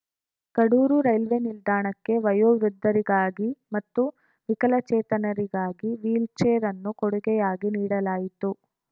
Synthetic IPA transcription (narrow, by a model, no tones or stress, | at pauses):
kɐɽuːɾuɾɐjlʋenild̪aːɳɐkːe̞ʋɐjoːʋɾud̪ʱːɐɾiɡaːɡimɐt̪ːu | ʋikɐlɐt͡ʃɛːt̪ɐnɐɾiɡaːɡiʋiːlt͡ʃeːɾɐnːukoɽuɡɛjaːɡiniːɽɐlaːjit̪u